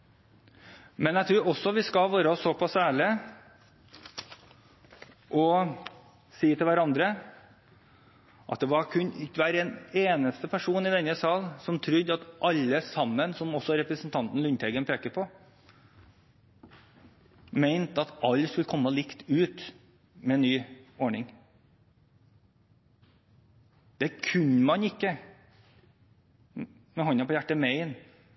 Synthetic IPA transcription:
mɛnjæɪt̪ʰɾʉːɾɔsːɔʋɪskɑlʋøːɾəɔsːɔpʰɑsæːɭɪ | ʔɔ | siːt̪ʰɪlʋæɾɑnd̪ɾə | ʔɑt̪̚d̪ɛʋɑɾkʰʉnɪʋæɾɛneːnəst̪əpʰæʂuːnɪd̪ɛnːəsɑːlnsɔmt̪ʰɾʏd̪ːɑt̪ʔɑlːəsɑmːənsɔmɔsːɔɾɛpɾəsn̩t̪ʰɑnt̪n̩lʉnt̪ʰɛɪɡənpʰeːkəpʰɔ | meɪnt̪ɑt̪ɑlːskʉləkʰɔmːəlɪkt̪ʉːt̪ | mɛːnːyːɔɳɪŋ | d̪̥ɛkʰʉnmɑnɪkːə | mɛhɔnɑpʰɔjæʈːəmeɪn

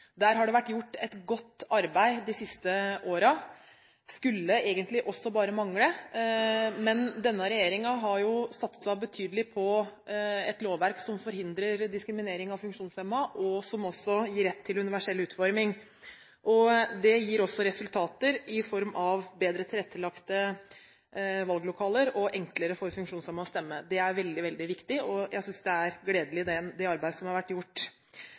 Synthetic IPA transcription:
d̪æːɾɦɑɖɛʋæʈːjʊʈːɛt̪ɡɔt̪ːɑɾbæɪd̪ɪsɪst̪əʔoːɾɑ | skʉlːəʔeːɡənt̪lɪʔɔsːɔbɑːɾəmɑŋɽə | mɛnd̪ɛnːəɾɛjeːɾɪŋɑɦɑɾjʊsɑt̪sɑbət̪ʰyːd̪əlɪpʰɔ | ɛt̪loːʋʋæɾksɔmfɔɾɦɪnd̪ɾəɾd̪ɪskɾɪmɪneːɾɪŋɑʋfʉŋkʂuːnsɛmːɑʔɔsɔmɔsːɔjiːɾɛt̪ʰːɪlʉnɪʋæʂɛlʉːt̪fɔɾmɪŋ | ʔɔd̪ɛjiːɾɔsːɔɾɛsʉlt̪ʰɑːt̪əɾɪfɔɾmɑʋbeːd̪ɾət̪ʰɪlɛt̪ʰːəlɑkt̪ə | ʋɑlɡlʊkʰɑːləɾɔʔɛŋkləɾəfɔɾfʉŋkʂuːnsɛmːɑɔst̪ɛmːəd̪ɛæɾʋɛld̪ɪʋɛld̪ɪʋɪkt̪ɪʔɔjæɪsʏnsd̪ɛæɾɡleːd̪əlɪd̪ɛd̪ɛɑɾbæɪd̪əsɔmhɑɾʋæʈːjʊʈː

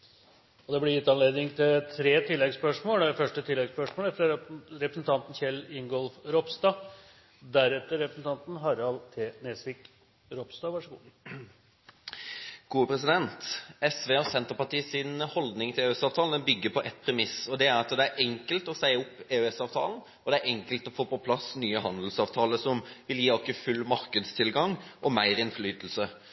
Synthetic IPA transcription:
ɔd̪ɛblɪɾjɪt̪ːɑnleːd̪nɪŋt̪ʰɪlt̪ʰɾeːt̪ʰɪlːɛɡspœʂmoːlfœʂʈət̪ʰɪlːɛɡspœʂmoːlæfɾɑɾɛpɾəsn̩t̪ʰɑnt̪n̩çɛlɪŋɡɔlfɾɔpst̪ɑ | d̪æɾɛt̪ːəɾɾɛpɾəsn̩t̪ɑnt̪n̩ɦɑɾɑlt̪ʰeːnesʋɪk | ɾɔpst̪ɑːʋɑʂəɡu | ɡ̥uːəpʰɾɛsɪd̪ɛnt̪ɛsʋeːɔsɛnt̪əɾpɑʈiːsɪnhɔld̪nɪŋt̪ʰɪleːɛsɑːʋt̪ʰɑːln̩əbʏɡːəpʰɔʔɛt̪̚ːpʰɾɛmɪsɔd̪ɛæɾɑt̪d̪ɛæɾʔɛŋkəlt̪ɔsæɪʊpːeːʉɛsɑːʋt̪ʰɑ̰ːln̩ | ɔd̪ɛæɾɛŋkəlt̪ɔfoːpɔpʰlɑsnyːəɦɑnd̪l̩sɑːʋt̪ʰɑːləsɔmʋɪljiːɔkːəfʉlːmɑɾkəd̪st̪ʰɪlɡɑŋʔɔmæɪɾɛnflyːt̪l̩sə

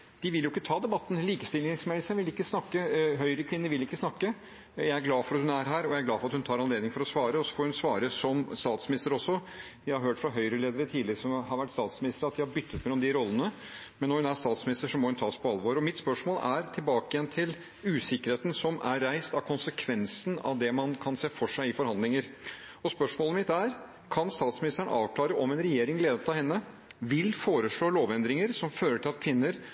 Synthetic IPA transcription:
d̪̥ɪʋɪljʊɪkːət̪ʰɑːd̪ɛbɑt̪ːn̩liːkəst̪ɪlɪŋsmeːlsənʋɪlɪkːəsnɑkːəɦœʏɾəkʰʋɪnːəɾʋɪlɪkːəsnɑkːə | jæɪæɾɡlɑːfɔɾɑt̪hʉnæɾɦæːɾɔjæɪæɾɡlɑːfɔɾɑt̪hʉnʰɑːɾɑnleːd̪nɪŋfɔɾɔsʋɑːɾəɔsːɔ̥fɔɾhʉnsʋɑːɾəsɔmst̪ɑːt̪smɪnɪst̪əɾɔsːɔ | ʋɪhɑɾɦøːʈfɾɑɦœʏɾəleːd̪əɾət̪ʰiːd̪lɪəɾəsɔmɦɑɾʋæʈːst̪ɑːt̪smɪnɪst̪ɾɑt̪̚d̪ɪhɑɾbʏt̪ːət̪meːlɔmd̪ɪɾɔlːənə | mɛnːɔhʉnæst̪ɑːt̪smɪnɪst̪əʂɔmɔhʉnt̪ʰɑːspʰɔɑlʋoːɾɔmɪt̪spœʂmoːlæɾt̪ʰɪlbɑːkəjɛnt̪ʰɪl | ʉːsɪkəɾheːt̪n̩sɔmʔæɾːæɪst̪ɑʋkʰʊnsəkʰʋɛnsən̩ɑ̰ʋd̪ɛmɑnkʰɑnseːfɔʂæɪɪfɔɾhɑnd̪lɪŋəɾ | ɔspœʂmoːləmɪt̪ːæɾ | kʰɑnst̪ɑːt̪smɪnɪst̪əɳ̰ɑːʋkʰlɑːɾəʔɔmɛnɾɛjeːɾɪŋleːd̪ət̪ɑhɛnːə | ʋɪlfoːɾəʂɭoːloːʋɛnd̪ɾɪŋəɾsɔmføːɾəʈʰɪlɑt̪kʰʋɪnːəɾ

